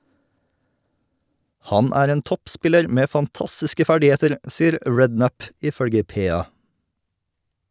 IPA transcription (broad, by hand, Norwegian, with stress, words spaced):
ˈhɑn ˈæːɾ ˈeːn ˈtɔpˌspɪləɾ ˈmeː fɑnˈtɑstɪskə ˈfæɖɪˌheːtəɾ ˈsiːəɾ ˈɹɛdˌnæp ɪˈfœɽɡə ˈpeːˌɑː